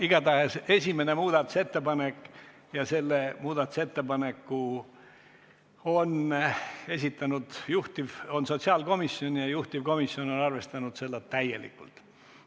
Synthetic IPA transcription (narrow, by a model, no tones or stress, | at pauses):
iɡ̥ɑt̪ɑhese̞sʲime̞ne̞muːd̪ɑt̪ːˑu̥se̞t̪ːe̞pɑne̞kː | jɑse̞lːemuːd̪ɑt̪ːˑu̥se̞t̪ːe̞pɑne̞kːu | o̞n | e̞s̬ʲit̪ːˑɑnud̪̥juht̪ivo̞nso̞t̪ʲsiɑːlko̞miso̞njɑjuht̪ivko̞misjo̞no̞nɑrve̞st̪ɑnud̪̥se̞lːɑt̪ːæje̞̰lḭkːṵlt̪ˑ